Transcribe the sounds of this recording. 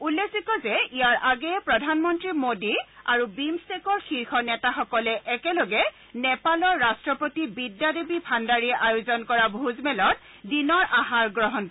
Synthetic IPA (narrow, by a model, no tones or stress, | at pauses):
ulːekʰsikɔzɛijaɹʔaɡɛɛpɹɔdʱanmɔntɹimodiaɹubimstekɔɹxiɹxɔnɛtaxɔkɔlɛʔɛkɛlɔɡɛ | nɛpalɔɹːastɹɔpotibidjadebipʰandaɹiɛʔajozɔnkɔɹabʱuzmɛlɔt | dinɔɹʔaɦaɹɡɹɔɦɔnk